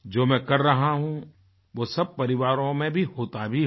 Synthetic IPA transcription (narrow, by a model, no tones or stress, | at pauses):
d͡ʒoːmɛ̃kɐɾːɐɦaɦũ | ʋosɐb̚pɐɾɪʋaːɾõmẽbʱiɦoːt̪abʱi